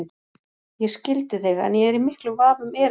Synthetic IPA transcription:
n | jɛscɪlt̪ɪθɪɣɛ̰njɛɛɾimɪhklʏvaːvʏmɛːɾ

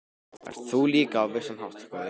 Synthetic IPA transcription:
ɛ̰ɾ̥θʰuːliːkaːvɪ̥sanhawht̪ḁkað

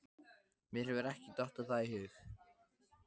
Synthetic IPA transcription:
mɪrhɛvʏɾɛhcɪt̪ɔht̪aθajhʏːɣ

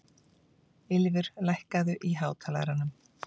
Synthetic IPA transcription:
ɪlvɪɾ̥lajhkaðʏʔiɦaːwt̪ʰaːla̰ðɾanʏm

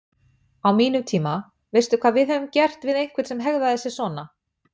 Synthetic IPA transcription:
awmiːnʏt̪ʰiːma | vejst̪ʏkʰvaːðvɪðɛvʏmcɛr̥t̪vɪðejŋ̥kʰvɪɾt̪sɛmɦɛɣðaðθɛsːɪ̥sɔːna

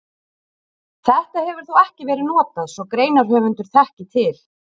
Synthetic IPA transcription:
θɛht̪ahɛvʏɾ̥θuwɛhcɪvɛːɾɪðnɔːt̪aðsɔɣkɾeːjnaɾ̥ɦœːvʏnt̪ʏɾ̥θɛhcɪt̪ʰɪl̥

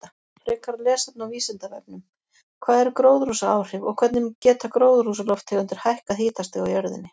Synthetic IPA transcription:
a | ɾɛːkaɾlɛːsat̪̚nawviːsɪnt̪avɛp̚nʏm | kʰvaːðɛɾkɾoːwðɾusaaːwr̥ɪvɔ̰ɣkʰv̥ɛt̪nɪmcɛːt̪akɾoːwðɾusalɔwft̪ʰɛɣʏnt̪ɪɾ̥hajhkaðhiːt̪ast̪ɪɣawjœɾðɪ̰nːɪ

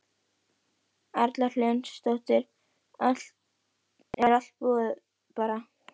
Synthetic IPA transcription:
aɾt̪larlœnst̪oht̪ɪɾ | ɛaɾḁt̪̚pɔ | paːɾa

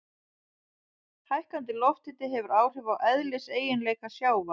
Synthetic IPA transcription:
hajhkant̪ɪlɔft̪ɪt̪ɪɦɛvʏɾaːwr̥ɪvawʔɛðlɪseːjɪnleːjkasjaːwva

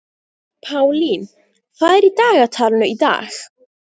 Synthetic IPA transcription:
pʰawlin | fajɾidaːɡatʰarnɔida̰ːɬ

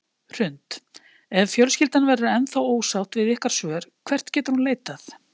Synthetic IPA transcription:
r̥ʏnt̪ | ɛvfjœlscɪlt̪anvɛɾʏɛnθawoːwsawht̪vɪðɪhkaɾ̥svœːʏɾ̥kʰvɛr̥t̪cɛːt̪ʏɾ̥hunleːjt̪aθ

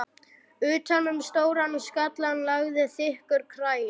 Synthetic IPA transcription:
ʏːt̪ʰanʏmst̪oːwɾanskat̪lanlaɣðɪθɪhkʏɾkʰɾaːjɪ

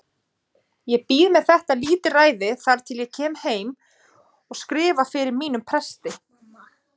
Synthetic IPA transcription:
jɛɣpiːðmɛðθɛht̪aliːt̪ɪraːjðɪθaɾ̥t̪ʰɪljɛɣcʰɛːmheːjm | ɔɣskɾɪːvafɪɾɪɾmiːnʏmpʰɾɛst̪ɪ

